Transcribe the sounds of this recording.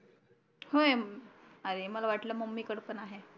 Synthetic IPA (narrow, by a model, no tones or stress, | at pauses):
hoj | aɾeməlaʋaʈlaməmːiːkəɽpənaɦe